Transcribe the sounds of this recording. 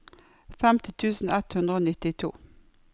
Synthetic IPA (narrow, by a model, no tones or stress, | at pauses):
fɛmt̪ɪt̪ʰʉːsn̩ɛt̪hʉnd̪ɾəoːnɪt̪ɪt̪ʰṵː